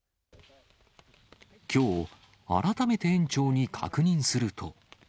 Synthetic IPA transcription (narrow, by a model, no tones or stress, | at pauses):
kʲo̞ː | a̰ɾat̪ame̞t̪e̞ẽ̞ɲ̟t͡ɕo̞ːɲ̟ikʰa̰kɯ̟ɲ̟ĩɰ̃sɨɾɯ̟t̪ʰo̞